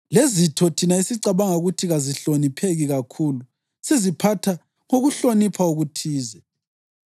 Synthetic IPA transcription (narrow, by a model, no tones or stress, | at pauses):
lezitʰɔtʰinaisiǀaβaŋauɣutʰiɣaziɬonipʰeɣiɣakʰuːlu | sizipʰatʰa | ŋoɣuɬonipʰauɣutʰiːzɛ